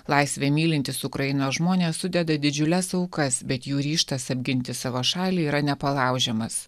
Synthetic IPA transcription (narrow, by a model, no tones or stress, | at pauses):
lˠɐɪsʲʋʲeːmʲiːlʲɪnʲt̪ʲɪsʊkɾɐjɪnoːʒmoːnʲeːssʊd̪ʲɛd̪ɐd̪ʲɪd͡ʒʲʊlʲɛsɐʊkɐsbʲɛt̪juːɾʲiːʃt̪ɐsɐbʲɡʲɪnʲt̪ʲɪsɑːʋoːʃɑːlʲiːiːɾɐnʲɛpɐlˠɑˑʊʒʲɛmɐs